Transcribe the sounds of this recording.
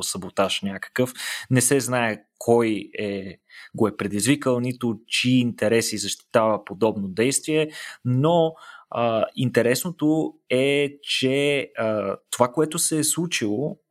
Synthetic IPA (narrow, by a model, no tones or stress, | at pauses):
səbot̪aʃnʲakə̥kəfnɛsɛznaɛ | kʰɔjɛɡoɛpɾɛd̪izvikəlˠnit̪ʊt͡ʃiːnt̪ɛɾɛsizɐʃt̪i̥t̪avəpod̪ɔbnod̪ɛjst̪viɛno | int̪ɛɾɛsnot̪oɛt͡ʃɛət̪ovakoɛt̪ʊsɛːslˠut͡ʃilˠo